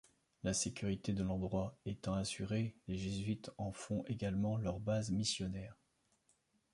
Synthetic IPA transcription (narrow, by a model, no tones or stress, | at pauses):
lasekʲyʁit̪ed̪əlɑ̃d̪ʁwaet̪ɑ̃asyʁeleʒezɥit̪ɑ̃fɔ̃ʔeɡalmɑ̃lœʁbazmisjɔnɛːʁ